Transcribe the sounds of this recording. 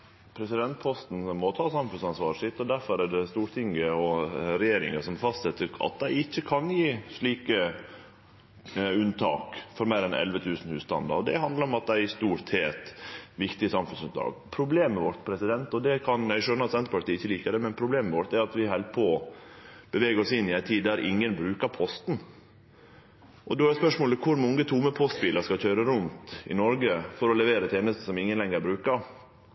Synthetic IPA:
pʰɾɛsɪd̪ɛnt̪̚pʰɔst̪n̩mɔt̪ʰɑːsɑmfʉnsɑnsʋɑːɾʂɪt̪ːɔd̪æɾfɔɾæɖɛst̪uːɾt̪ʰɪŋɡəɔɾɛjeːɾɪ̰ŋəsɔmfɑst̪sɛt̪ːəɑ̰t̪̚d̪æɪɪçːəkʰɑnjiːʂɭiːkə | ʉnt̪ʰɑ̰ːkfɔɾmæɪɾɛnʔɛ̰lʋət̪ʰʉːsn̩hʉːst̪ɑ̰nd̪ɑ̰ɾɔd̪ɛ̰ɦɑnd̪ləɾɔmɑt̪̚d̪æɪɪst̪uːɾt̪heːt̪ʋɪkt̪ɪəsɑmfʉnsʉnɑ̰ːɡpʰɾʊbleːmmɛʋɔɾt̪pʰɾɛsɪd̪ɛnt̪ɔd̪ɛkʰɑnjæɪʃœnəɾɑt̪sɛnt̪əɾpɑʈ̪ʰiːɪçːəliːkəd̪ɛmɛnpʰɾʊbleːmɛʋɔɾt̪æɾɑt̪ʋɪɦɛlpʰo | b̥əʋeːɡəɾɔsɪnːɪæɪt̪ʰiːd̪æɾʔɪ̰ŋːənbɾʉːkəɾpʰɔst̪n̩ | ʔɔd̪oæɾɛspœʂmoːləkʰʊɾmɔŋːət̪ʰuməpʰɔst̪biːləɾʂkɑlçøːɾəɾʉnt̪ɪ̰nɔɾɡəfɔɾɔlɛʋeːɾət̪ʰeːnəst̪əsɔmɪŋːənlɛŋːəɾbɾʉːkəɾ

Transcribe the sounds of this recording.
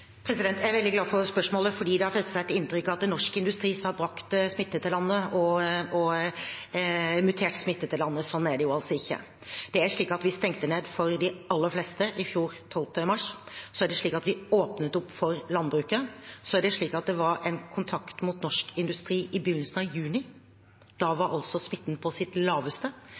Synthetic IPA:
pʰɾɛsɪd̪ɛnt̪æɾʋɛld̪ɪɡlɑːfɔɾspœʂmoːləfɔɖiːd̪ɛhɑɾfɛst̪əsæɪt̪ɪnt̪ɾʏkːɑt̪̚d̪ɛnɔʂkəɪnd̪ʉst̪ɾiːsɔhɑɾbɾɑkt̪smɪt̪ːət̪ʰɪlɑnːəɔɔ | mʉt̪ʰeːʈsmɪt̪ːət̪ɪlɑnːəsɔnːæɖɛjʊɑlsɔɪçːə̰ | d̪̥ɛæʂɭiːkɑt̪ʋɪst̪ɛŋt̪əneːd̪fɔɾd̪ɪɑlːəɾfleːst̪əʔɪfjuːɾt̪ʰɔlt̪əmɑʂsɔæɖɛʂɭiːkɑt̪ʋɪoːpnət̪ʊpːfɔɾlɑnːbɾʉːkəsɔæɖɛʂɭiːkɑt̪̚d̪ɛʋɑɾɛnkʰʊnt̪ʰɑkt̪muːt̪nɔʂkɪnd̪ʉst̪ɾiːʔɪbʏnːəsənɑjʉːnɪ | d̪̥ɑʋɑɾʔɑ̰lsɔsmɪt̪ːnpʰɔsɪt̪lɑːʋəst̪ə

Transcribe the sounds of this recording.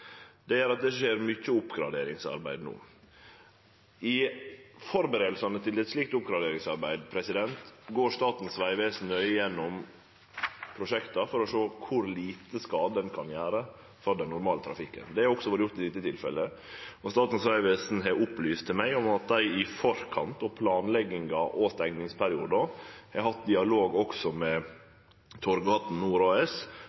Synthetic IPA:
d̪̥ɛjæːɾɑt̪̚d̪ɛʂeːɾmʏcːəʊpːɡɾɑ̰d̪eːɾɪŋsɑ̰ɾbæɪd̪nṵː | ɪfɔɾbəɾeːd̪l̩sɑnət̪ʰɪlɛt̪ʂliːk̚t̪ʊpɡɾɑd̪eːɾɪŋsɑɾbæɪd̪pʰɾɛsɪd̪ɛnt̪ɡoːɾst̪ɑːt̪n̩sʋæɪʋeːsn̩œʏjɛnːʊm | pʰɾʊʂɛkt̪ɑfɔɾɔʂoːkʰʊɾliːt̪əskɑːd̪əd̪ɛnkʰɑnjæːɾə | fɾɔd̪ɛnːʊɾmɑːlət̪ʰɾɑfɪkːə̰nd̪ɛæɾɔksɔʋɑːɾəjʊɾt̪ɪʋɪt̪ːət̪ʰɪlfɛ̰ləɔst̪ɑːt̪n̩sʋæɪʋeːsn̩ɦɛʔʊplyːst̪ʰːɪmæɪɔmɑt̪̚d̪æɪɪfɔɾkʰɑ̰nt̪ɔpʰlɑːnlɛɡːɪŋɑʔɔst̪ɛŋnɪŋspʰæɾɪṵːd̪ɔhɛɾhɑt̪̚d̪ɪɑloːɡɔksɔmɛ | t̪ʰɔɾɡɑːt̪n̩nːuːɾɑːɛs

